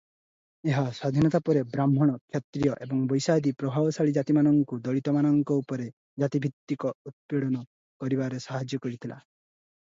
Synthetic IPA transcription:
eɦaswad̪ʱinɔt̪apɔɾebɾamɦɔɽ̃ɔkʰjɔt̪ɾijɔʔebɔŋbɔjsad̪ipɾɔbʱabɔsaɭid͡ʒat̪imanɔŋkud̪ɔɭit̪ɔmanɔŋkɔupɔɾe | d͡ʒat̪ibʱikt̪ːikɔut̪̚peɽɔnɔ | kɔɾibaɾesaɦad͡ʒjɔkɔɾit̪ʰila

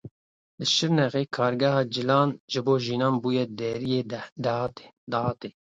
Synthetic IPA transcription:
lɨʃɪɾnɛɣeːkʰɑːɾɡɛhɑːd͡ʒɨlɑːnʒɨboːʒiːnɑːnbuːjɛd̪ɛɾijeːd̪ɑt̪e | d̪ɑhɑːt̪eː

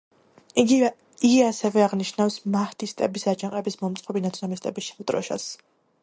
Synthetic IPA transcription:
iɡi | iɡiasɛvɛaʁniʃnafsmaht̪ʰist̪ʼɛbisat͡ʃʰaqʼɛbismɔmt̪sʼɔbinat̪sʰɔnamist̪ʼɛbisʃavt̪ʼɾɔ̰ʃa̰s

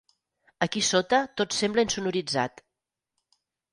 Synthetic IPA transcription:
əkisot̪ət̪otsɛmbləinsunuɾid͡za̰t̪

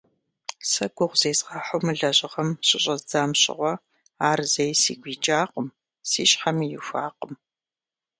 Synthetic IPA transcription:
sɐɡʷʊʁʷz̥eːzʁaħʷʊmɨɮɐʑʼɪʁɐmɕʼɪɕʼɐzd͡zaːmɕʼɪ̰ʁʷɔ | aːrzɐjsḭːɡʷiːt͡ʃʼaːqəm | siːɕħamijɪfʷaːqəm

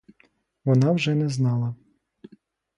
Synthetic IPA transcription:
ʋɔnɑwʒɛnɛznɑlˠɐ

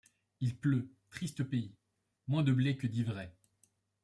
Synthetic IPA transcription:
ilpløt̪χist̪opei | mwɛ̃d̪əblekəd̪ivʁɛ

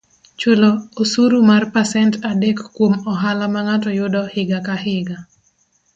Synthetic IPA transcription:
t͡ʃoloosuɾumarpasɛntadɛkːwomɔɦalamaŋatɔjʊdɔhɪɡakaɦɪɡa

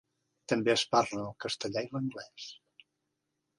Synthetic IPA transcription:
t̪əmbeəsparləːlˠkəst̪əʎajləŋɡlɛs

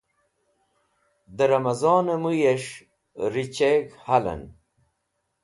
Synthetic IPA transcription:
d̪əɾɐmɐzɑːnɐmujeʂ | ɾit͡ɕeɡhalɐ̰n

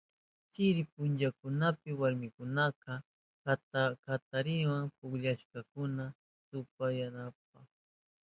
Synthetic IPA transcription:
t͡ʃɪɾɪpʊnt͡ʃakʊnapɪwaɾmɪkʊnaqɑ | kat̪aɾɪwaŋpʊkʎaʃkakʊna | t̪ʊpajanap̚aχ

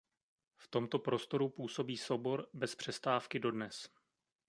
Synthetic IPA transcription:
ft̪o̞mt̪o̞pɾo̞st̪o̞ɾupuːsobiːso̞wbo̞ɾbɛspr̝̥ɛst̪aːfkɪdo̞dnɛs

